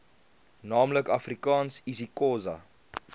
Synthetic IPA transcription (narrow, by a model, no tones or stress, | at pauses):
nɑːmləkɐfrikɑːnsizikoːzɐ̰